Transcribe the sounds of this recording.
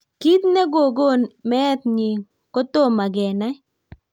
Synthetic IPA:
ki˦t̪nɛ˦ɡo˨ɡo˦˨nmɛ˦t̪ɲi˨ | ko˦t̪o˦˨ma˨ɡɛ˨na˦

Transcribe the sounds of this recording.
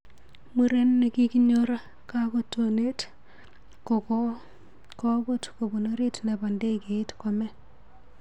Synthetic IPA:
mu˦ɾe˦nːe˨ki˦kiɲoɾa˦ | kako˨tːone˦t | koko | ko˦bo˦tko˨bo˨noɾi˦tnɛ˨ba˨nde˦ke˨ɪ˦tkɔmɛ˦

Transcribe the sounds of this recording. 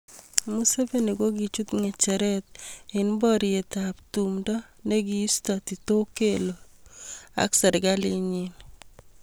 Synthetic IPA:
mu˦se˦ve˦˨ni˨ɡo˦ɡi˨t͡ʃu˦t̪ŋɛ˨t͡ʃɛ˨ɾɛ˦t̪̚ɪ˨nbɔ˦ɾɪe˨t̪a˨ptu˨mdɔ˦ne˦ɡi˦i˦stɔ˨ti˨to˦ke˦lo˨ | a̰˦ksɛ˨ɾɡa˦lɪ˦ɲi˦n

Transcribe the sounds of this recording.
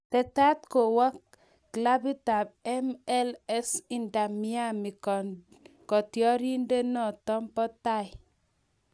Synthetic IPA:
tɛ˨ta˦t̚ko˨wa˦k̚ː | la˦bi˦ta˨b̚ɛ˦mɛ˦lɛ˦si˦nda˨mi˦a˦mi˨ | kɔ˨tjɔ˦ɾi˦nde˦nɔ˦˨tɔ˦mpɔ˦ta˦˨j

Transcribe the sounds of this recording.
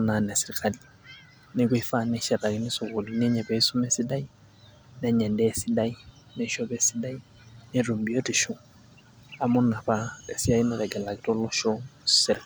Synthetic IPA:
na˨nɛ˨sɪ˨ɾi˦kʰa˨li | nɪ˦kwi˦fa˦nɛʃɛ˨ta˨ki˦nɪ˦sʊ˨ko˨lu˨nɛ˦ɲɛ˨bɛ˨i˦su˦mɛ˦si˦da˦i˦ | nɛ˦ɲɛ˨ndɛː˦˨si˦da˦i˦ | nɛ˨ʃɔ˦bɛ˦si˦da˦i˦ | ne˦ro˨mbi˦o˦ti˨ʃɔ˦ | a˨mʊ˦na˨pa˦ɛ˨si˦a˦i˦nɛ˨ɾɛ˨kɛ˨la˨kɪ˦tɔ˦lɔ˦ʃɔ̥sɛɾk

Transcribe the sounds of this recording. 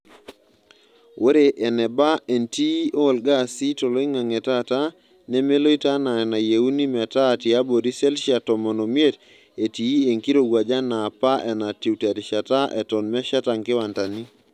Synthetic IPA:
wʔe˦ɾe˨ʔɛ˨nɛ˨ba˦e˨nti˦o˦˨lɡa˦˨si˦to˨lo˦i˦ŋa˨ŋɛ˨ta˦ta˦ | nɛ˦me˦lo˦i˦ta˦na˨ɛ˨na˨je˨u˦ni˦mɛ˨ta˦˨ti˨a˦bo˨di˦sɛ˦lʃa˨tɔ˨mɔ˨no˨mje˦t | e˨ti˨˦e˨ŋki˦ɾo˨ɡwa˨d͡ʒa˦na˨pa˦ʔɛ˨na˨ti˨wtɛ˨ɾi˨ʃa˨ta˦ʔɛ̰˨tɔ˨nmɛ˦ʃa˦ta˨ŋkɪ˦wa˨nta˨ni˦

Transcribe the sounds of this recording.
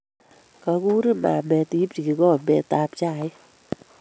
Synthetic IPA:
ka˧ku˦ɾi˦ma̰˨mɛ˧ti˦pt͡ʃi˨ki˨ɡɔ˦˨mɛ˨ta˧pt͡ʃa˦˨ɪ˦

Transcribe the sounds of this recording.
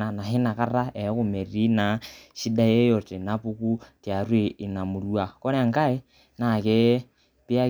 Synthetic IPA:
a˨na˨ɦi˦na˨ka˦ɾa˦e˨˦ku˨me˨ri˦na˨ʃi˦da˦je˦jo˨te˨na˦pu˦ku˦tja˨ɾwi˦i˨na˨mu˨ɾu˦a˨ko˦ɾe˨ŋka˦i˦ | na˨kɛ˦ | pi˦a˦

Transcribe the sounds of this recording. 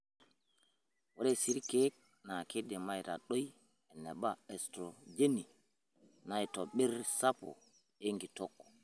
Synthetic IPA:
wɔ˦ɾɛsi˦ɾkek̚ | na˨ke˦dɛ˨majɾa̰ɗo˦j | ɛ˨nːɛ˨ɓaɛstɾɔd͡ʒe˦ni˨ | najtɔɓɛ˦ɾsapɔ̰˨ | eŋɡi˨tɔkːɔ̥

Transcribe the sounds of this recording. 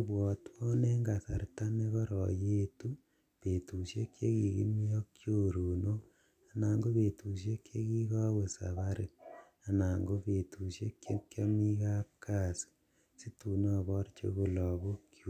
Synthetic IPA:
bwɔ˨twɔ˦ne˦ŋɡa˨sa˨rta˦me˦kɔ˦ɾɔ̰˨je˦tu˦ | pe˨tu˨sje˦kje˦ki˨kḭ˦mi˦o˦kt͡ʃjo˦ɾu˨no˦ | a˨naː˨ŋɡo˦βe˨tʰu˨ʃ̬je˦kje˦ki˦ka˦we˨sa̰˨βa˦ɾḛ˨ | a˨na˨ŋɡo˦pe˨tʰu˨ʃje˦kje˦kja˦mi˦ka˦p̚kʰa˦˨si̥˨ | si˦tu˨nː˦˨βɔ˦rt͡ʃḛ˦ɣo˨lɔ˨βo˦kʰju

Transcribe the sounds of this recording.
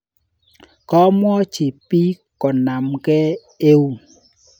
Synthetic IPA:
kɔ˦mwɔ˦t͡ʃi˨pi˦ | kɔ˨na˨mkɛ˦ | e˦wu˦

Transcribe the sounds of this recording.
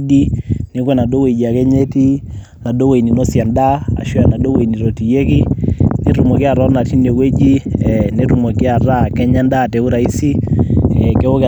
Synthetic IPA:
di˦nɪ˦kwɛ˨na˨do˦we˨d͡ʒi˨a˨kɛ˦ɲe˦ti˦ | na˨do˦we˨i˨ni˨no˦sja˨nda˦a̰˨ʃu˦a˨na˨do˦we˨i˨ni˨ɾo˨ti˨je˦ki˦ne˨ɾu˨mɔ˨ki˦a˨ɾɔ˦na˨ti˦ne˨we˦d͡ʒi˦ne˦ɾu˨mɔ˨kɪ˦a˨ɾa˦kɛ˦ɲa˦nda˦˨tɛ˨u˦ɾa˨i˦si˦ɛ˨ke˦o˦k

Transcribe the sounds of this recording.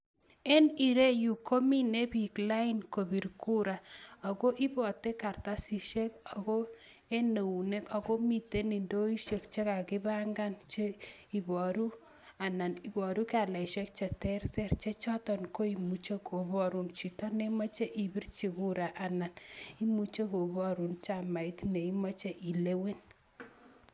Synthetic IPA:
e˦ni˨ɾe˦ju˨ko˦mi˦ne˦bi˨kla˦i˦nko˨bi˨ɾku˦ɾa˨a˨ko˦ʔi˦bɔ˨te˦ka˨ɾt̪a˦si˨ʃe˦ka˨ɣo˦ | e˦ne˨u˨ne˦ka˨ko˦mi˨te˦ni˨ndo˦i˦ʃe˨kt͡ʃe˦ka˨kɪ˦ba˦ŋɡa˦nt͡ʃe˦i˨bɔ˨ɾu˦ | a˨na˨ni˨bɔ˨ɾu˦ka˨la˨ʃe˦k̚t͡ʃe˨tɛ˦ɾtɛ˦rt͡ʃe˦t͡ʃɔ˦tɔ˨nko˦i˨mu˨t͡ʃe˦kʰo˨βɔ˦ɾu˦nt͡ʃi˨tɔ˦ne˦ma˦t͡ʃe˦ʔi˨bi˦rt͡ʃi˨ku˦ɾa˨ʔa˨na˨ni˦mu˨t͡ʃe˦ko˨bɔ˦ɾu˨nt͡ʃa˨ma˨i˦tne˨i˦ma˦t͡ʃe˦ʔi˨le˦we˦n

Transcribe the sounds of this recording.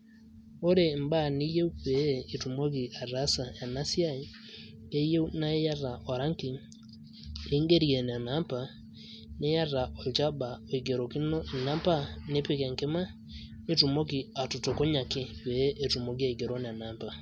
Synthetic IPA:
o˦ɾe˨m˦ba˦˨ni˦je˦u˦pɛː˨tu˨mɔ˦k̬i˨a˨ɾa˦sa˨ja˨na˦si˦a˦i˦ | ɡe˦je˦u˦na˦e˦ja˦ɾa˨ʔɔ˨ɾa˦ŋki˨ | e˦ŋɡe˦ɾjɛ˨ne˨a˨na˦pa˨ | ne˦ja˦ɾa˨ʔɔ˨d͡ʒa˦ba˨ɔ˨i˨ɡe˨ɾɔ˨ki˦nɔ˦˨na˦pa˦ne˦pe˦kɛ˨ŋke˦ma˦ | ne˦tu˨mɔ˦ki˨a˨to˨to˨ko˦ɲa˨ke˨wɛ˨˦ʔe˨tu˨mɔ˨ɡi˦a˨i˨ɡe˨ɾɔ˦ne˨a˨na˦pa˨

